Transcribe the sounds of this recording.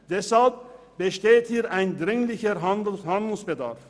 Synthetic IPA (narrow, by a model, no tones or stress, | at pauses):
d̥ɛshalp̚ | b̥əʃteːthiːɐʔaɪndʁɪŋlɪçəɦahandl̩sb̥əda̰ʁf